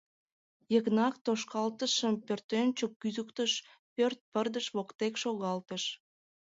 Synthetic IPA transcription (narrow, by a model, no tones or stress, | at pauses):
jəɣnɑk̚t̪oʃkɑlt̪əʃəmpørt̪ønt͡ɕokːyzəkt̪əʃ | pørt̪̚pərd̪əʃβokt̪ekʃoɣɑlt̪əʃ